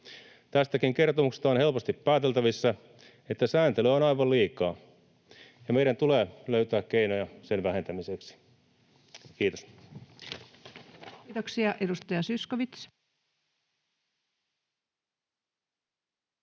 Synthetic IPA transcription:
t̪æst̪ækiŋke̞rt̪omukse̥st̪ɑonhe̞lpost̪ipːæːt̪elt̪æʋisːæ | et̪ːæsæːnt̪eløonɑjʋɑlliːkɑː | jɑmeiɾænt̪uleːløyt̪æːkkeinojɑse̞nʋæhe̞nt̪æmiseksi̥ | kiːt̪os | t̪oksiɑʔedust̪ɑjɑsyskoʋit̪s

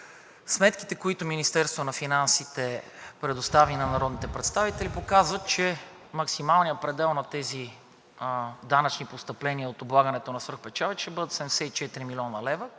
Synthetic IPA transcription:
smɛt̪ki̥t̪ɛkoit̪ʊminist̪ɛɾst̪vonɐfinansit̪ɛpɾɛd̪ost̪avinɐnɐɾɔd̪nit̪ɛpɾɛt̪st̪avit̪ɛlipokazvət̪̚t͡ʃɛ | mɐksimalˠnijəpɾɛd̪ɛlˠnɐt̪ɛzi | d̪anɐt͡ʃnipost̪ɐplɛniəot̪oblˠaɡənɛt̪onɐsvɤɾxpɛt͡ʃavɛʃt̪ɛbɤd̪ət̪sɛmd̪ɛsɛit͡ʃɛt̪iɾimilʲiɔnəlɛvə

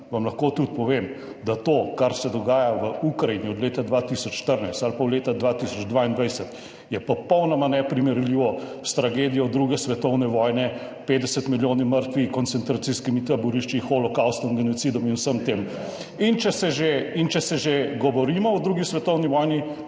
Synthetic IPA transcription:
ʋamlɐxkot̪ut̪pɔʋem | d̪at̪oːkaɾsɛd̪ɔɡaːjaʋəukɾajiniɔd̪leːt̪ad̪ʋat̪isɔt͡ʃːʃt̪əɾnajst̪alpawleːt̪ad̪ʋat̪isɔd͡ʒd̪ʋaind̪ʋajsɛt̪ | jɛpɔpɔwnɔmanɛpɾimɛɾliːʋɔst̪ɾaɡeːd̪ijɔd̪ɾuːɡɛsʋɛt̪ɔwnɛʋɔːjnɛ | peːd̪d̪ɛsət̪miljoːniməɾt̪ʋikɔnsɛnt̪ɾat̪siskimit̪abuɾiʃt͡ʃixɔlɔkawst̪ɔmɡɛnɔt̪sid̪ɔminusəmt̪eːm | int͡ʃɛsɛʒeint͡ʃɛsɛʒeɡɔʋɔɾiːmɔɔd̪ɾuɡisʋɛt̪ɔwniʋɔjni

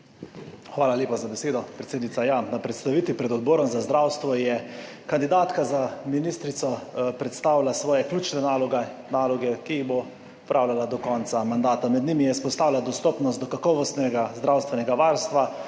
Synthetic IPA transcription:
xʋaːlalʲeːpazabɛseːd̪ɔpɾɛt̪seːd̪nit̪ajanapɾɛt̪st̪aʋiːt̪ʋipɾɛd̪ɔd̪̚bɔːɾɔmzazd̪ɾawst̪ʋɔjɛ | kand̪id̪aːt̪kazaminist̪ɾit̪sɔpɾɛt̪st̪aːwlasʋɔːjɛklʲjuːt͡ʃnɛnalɔɡɛnaːlɔɡɛkiiɣbo | ɔpɾʔaːwlʲalad̪ɔkɔːnt̪samand̪aːt̪amɛd̪nimijɛspɔst̪aːwlad̪ɔst̪ɔːpnɔst̪d̪ɔkakɔːʋɔst̪nɛɡazd̪ɾawst̪ʋɛnɛɡaʋaɾst̪ʋa

